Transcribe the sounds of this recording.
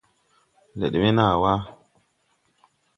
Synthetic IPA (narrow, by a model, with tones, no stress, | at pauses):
lḛ˨ɗme˦na˦˨wa˦